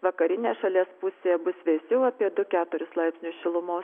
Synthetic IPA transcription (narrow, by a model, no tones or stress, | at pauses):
ʋɐkɐɾʲɪnʲeːʃɐlʲiɛspʊsʲeːɛbʊsʋʲɛɪsʲɛʊɐpʲiɛd̪ʊkʲæːt̪ʊɾʲʊslˠɐɪpʲsnʲʊsʃʲɪlˠʊmoːs